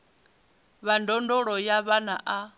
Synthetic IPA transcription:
βandɔndɔɺɔjaβanaʔa

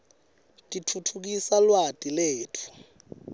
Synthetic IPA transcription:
tʼitʰutʰuk̬isalwatʼileːtʰu̥

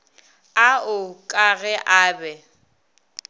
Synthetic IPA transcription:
aʊkʼaɣɛʔaːbɛ

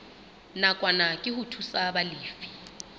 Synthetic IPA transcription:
nakʼwanakʼɪhʊtʰusabalɪːfi̥

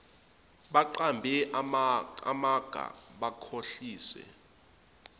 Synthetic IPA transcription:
ɓaǃambʱɛʔ | a̰maɡ̥ʱa̰ɓakʰoɬiːswɛ̰

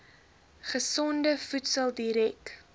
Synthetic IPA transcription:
χəsɔndəfutsəlˠdiɾɛk

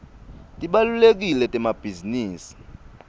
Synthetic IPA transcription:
tʼiɓalulek̬ilɛtʼɛmab̥ʱiziniːsi̥

